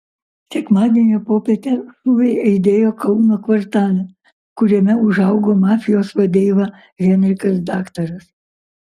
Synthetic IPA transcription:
sʲɛkmɑːd̪ʲɛnʲepoːpʲɛːt̪ʲɛʃuːʋʲɛɪɐɪd̪ʲeːjoːkɐʊnoːkʋɐɾt̪ɑːlʲɛ | kʊɾʲɛmʲɛʊʒɐʊɡoːmɑːfʲɪjoːsʋɐd̪ʲeːʋɐ | ɣʲɛnʲɾʲɪkɐsd̪ɑːkt̪ɐɾɐs

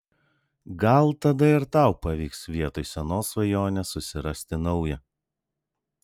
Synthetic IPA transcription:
ɡɐlˠt̪ɐd̪ɐɪɾt̪ɑˑʊpɐʋʲiːksʋʲiɛt̪oːɪsʲɛnoːsʋɐjoːnʲɛsʊsʲɪɾɐsʲt̪ʲɪnɐʊjɛ

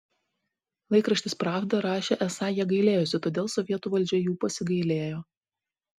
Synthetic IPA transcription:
lˠɐɪkɾɐʃʲt̪ʲɪspɾɑːfʲd̪ɐɾɑːʃʲeːʔɛsɑːjiɛɡɐɪlʲeːjʊsʲɪt̪oːd̪ʲeːlˠsɔʋʲiɛt̪uːʋɐlʲd͡ʒʲɛjuːpɐsʲɪɡɐɪlʲeːjoː

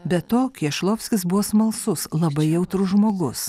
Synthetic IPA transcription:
bʲɛt̪oːkʲiɛʃlˠoːpʲsʲkʲɪsbʊʋoːsmɐlˠsʊslˠɐbɐɪjɛʊt̪ɾʊʒmoːɡʊs

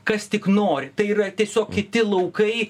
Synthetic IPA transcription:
kɐst̪ʲɪknoːɾʲɪt̪ɐɪiːrɐt̪ʲiɛsʲoːkkʲɪt̪ʲɪlˠɐʊkɐɪ

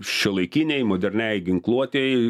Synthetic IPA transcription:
ʃʲɛlˠɐɪkʲinʲɛɪmoːd̪ʲɛɾʲnʲɛjɡʲɪŋklˠuɔt̪ʲeɪ

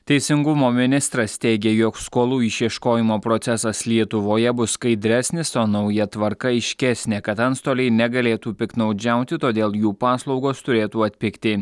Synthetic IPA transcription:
t̪ʲɛɪsʲɪŋɡʊmoːmʲɪnʲɪst̪ɾɐst̪ʲɛɪɡʲeːjoːkskoːlˠuːɪʃʲiɛʃkoːjɪmoːpɾɔt̪sʲɛsɐslʲiɛt̪ʊʋoːjɛbʊskɐɪd̪ʲɾʲæːsʲnʲɪsoːnɐʊjɛt̪ʋɐɾkɐɪʃʲkʲɛsʲnʲeːkɐt̪ɐnst̪oːlʲɛɪnʲɛɡɐlʲeːt̪uːpʲɪknɒʊd͡ʒʲæˑʊt̪ʲɪt̪oːd̪ʲeːlˠjuːpɑːslˠɒʊɡoːst̪ʊɾʲeːt̪uːɐt̪ʲpʲɪkt̪ʲɪ

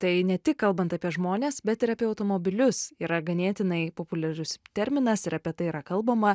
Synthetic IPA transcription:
t̪ɐɪnʲɛt̪ʲɪkkːɐlˠbɐnt̪ɐpʲiɛʒmoːnʲeːsbʲɛt̪ɪɾɐpʲiɛɐʊt̪oːmoːbʲɪlʲʊsiːɾɐɡɐnʲeːt̪ʲɪnɐɪpoːpʊlʲɛɾʲʊst̪ʲɛɾʲmʲɪnɐsɪɾɐpʲiɛt̪ɐɪiɾɐkɐlˠbɐmɐ

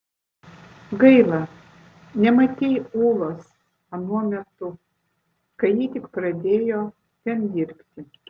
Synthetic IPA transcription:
ɡɐɪlˠɐ | nʲɛmɐt̪ʲejuːlˠoːs | ɐnuɔmʲɛt̪ʊ | kɐjiːt̪ʲɪkpɾɐd̪ʲeːjoː | t̪ʲɛnd̪ʲɪɾʲpʲt̪ʲɪ

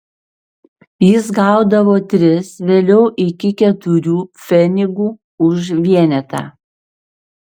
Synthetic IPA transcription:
jɪs̬ɡɑˑʊd̪ɐʋoːt̪ʲɾʲɪsʋʲeːlʲɛʊʔɪkʲɪkʲɛt̪ʊɾʲuːfʲɛnʲɪɡuː | ʊʃʋʲiɛnʲɛt̪ɑ̰ː

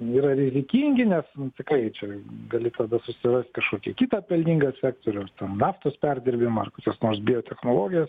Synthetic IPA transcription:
iːɾɐɾʲɪzʲɪkʲiːŋʲɡʲɪnʲɛsnʊt̪ʲɪkɾɐɪt͡ʃʲɛɡɐlʲɪt̪ɐd̪ɐsʊsʲɪrɐsʲt̪ʲkɐʃkoːkʲɛkʲiːt̪ɑːpʲɛlʲnʲiːŋɡɐsʲsʲæːkt̪oːɾʲɛʊt̪ʲɛnnɑːft̪oːspʲærʲd̪ʲɪɾʲbʲɪmɐɐrkoːkʲosnoːrsbʲɪjot̪ʲɛxnoːlˠoːɡʲɪjɛs

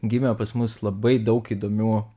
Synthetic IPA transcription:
ɡʲɪmʲoːpɐsmʊslˠɐbɐɪd̪ɐʊkiːd̪oːmʲuː

